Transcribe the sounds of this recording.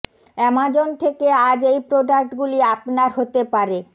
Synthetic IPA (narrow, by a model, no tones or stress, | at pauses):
ɛmad͡ʑont̪ʰekead͡ʑejpɾoɖak̚ʈɡuliapnaɾɦot̪epaɾe